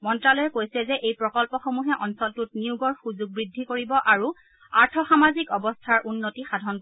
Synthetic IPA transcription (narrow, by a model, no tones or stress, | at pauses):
mɔntɹalɔjɛkojsɛzɛʔejpɹɔkɔlpɔxomuɦɛʔɔnsɔltutniuɡɔɹxuzuɡ̚bɹidʱːikoɹibɔʔaɹu | aɹtʰɔxamazikɔbɔstʰaɹʔunːotixadʱɔnk